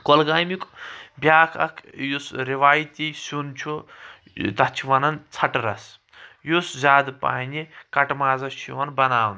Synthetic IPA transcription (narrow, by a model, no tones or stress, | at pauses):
kolɡaːjmikbjaːkʰɐ̰kʰjusɾiʋaːjit̪isunt͡ʃʰu | t̪ɐt͡ʃʰiʋɐnɐnt͡sʰɐʈɾɐs | juszʲaːd̪pa̰ːnʲikɐʈmaːzɐsʰiʋɐnbɐnaːwn